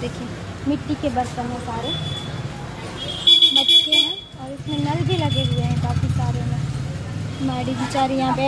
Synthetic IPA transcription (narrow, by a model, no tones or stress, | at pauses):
d̪eːkʰiẽ | mɪʈːikebɐɾt̪əmõsaːɾe | bɐtːʃʰeɦɛ̃ | ɔːɾɪsmẽnɐlbʱilɐɡeɦʊeɦɛ̃baːkikaːɾõmẽ | maːɽid͡ʒit͡ʃaːɾijɐɦãbɛː